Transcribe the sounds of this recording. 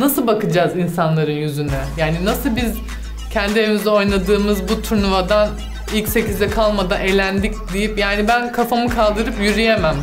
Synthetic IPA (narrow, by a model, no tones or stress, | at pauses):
nasɯlˠbakɯd͡ʒaːzinsanlˠaɾɯnjyzynɛjaːninasɯlˠbiz | cʰɛnd̪iemizɛo̞jnˠad̪ɯːmɯzbut̪ʰuɾnuvad̪an | ilʲcse̞cizd̪ɛkʰalˠmad̪anelʲænd̪ʲicd̪ijipjaːnibænkʰafamɯkʰalˠd̪ɯɾɯpjyɾyjemæm